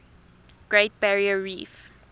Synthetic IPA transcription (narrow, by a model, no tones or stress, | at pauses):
ɡ̥ɹeɪt̚b̥æɹiəɹḭf